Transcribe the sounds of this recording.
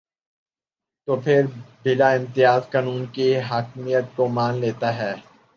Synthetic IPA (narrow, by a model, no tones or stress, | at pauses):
t̪oːpʰɪɾbɪlaɪ̃mt̪ɪjaːzkaːnuːnkiɦaːkmijət̪̚komaːnleːt̪aɦɛː